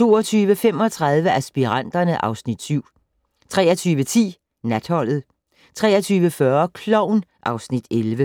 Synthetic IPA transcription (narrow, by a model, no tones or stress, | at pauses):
t͡sʰo̝̰ːɐt͡sʰyːʋəfem̰ɒ̽t͡sʰʁɑð̞ˠʋəæsb̥iʁɑn̰d̥ɐnəʔɑ̈ʊsnid̥syʊ̰ | t͡sʰʁɛ̰ːɐt͡sʰyːʋət͡sʰḭː | næd̥hɒ̽l̰ð̞̩ˠ | t͡sʰʁɛ̰ːɐt͡sʰyːʋəfɶɐkʰlɒʊ̰nʔɑ̈ʊsnid̥elʋə